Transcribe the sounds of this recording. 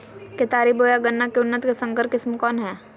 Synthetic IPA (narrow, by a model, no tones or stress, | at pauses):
ket̪aːɾiboːjaɡənːakeʊnːət̪kesɐ̃ŋkəɾkɪsmkɔːnɦɛː